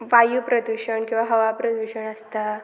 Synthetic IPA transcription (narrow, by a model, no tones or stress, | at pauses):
ʋajupɾəd̪uɕəɳkĩw̃ʋaɦəʋapɾəd̪ʋiɕəɳəst̪a